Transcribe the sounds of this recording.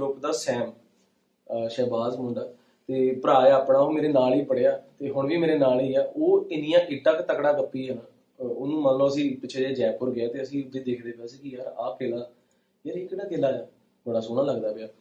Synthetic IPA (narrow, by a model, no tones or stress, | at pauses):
ʊpd̪aːsɛːm | ʃɛːbaːzmʊɳɖaː | t̪eːpəɾaːeəpɽaːoːmeːɾeːnaːliːpəɽeːaːt̪eːɦʊɳʋiːmeːɾeːnaːliːaːʔoːɪnɪjãːʔɪʈːãːkt̪əkɽãːkəpːiːɦənãː | ʊnũːmənloːəsĩːpɪt͡ʃʰeːeːd͡ʒɛːpʊɾɡɪaːt̪eːəsĩːʊd̪ːeːd̪eːkʰd̪eːbaːsiːkiəɾãːpeːlaː | jəɾikːɽaːkelaːjaː | bəɽaːsoːñãːləɡd̪aːpɪjaː